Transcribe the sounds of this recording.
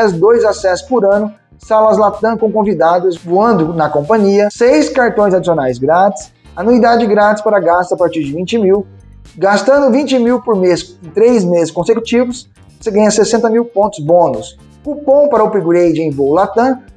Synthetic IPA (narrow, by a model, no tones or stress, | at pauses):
ɛzd̪ojzasɛsʊ̥pʊɾɐ̃nʊ | salɐzlat̪ɐ̃kõw̃kõvid̪ad̪ʊsvuɐ̃nd̪ʊnɐkõpɐ̃ɲiɐsejskaɾt̪õj̃zad͡ʒisionajzɡɾat͡ʃɪ̥s | ɐnuid̪ad͡ʒɪɡɾat͡ʃɪ̥spaɾɐɡast̪ɐapaɾt͡ʃiɾd͡ʒɪvĩnt͡ʃɪmiw | ɡast̪ɐ̃nd̪ʊvĩt͡ʃɪmiwpʊɾmest̪ɾejzmezɪskõseku̥t͡ʃivʊs | seɡɐ̃jɲɐsesẽnt̪ɐmiwpõnt̪ʊ̥zbõnʊs | ʊpõw̃paɾɐʊpiɡɾejd͡ʒɪẽj̃bowlat̪ɐ̃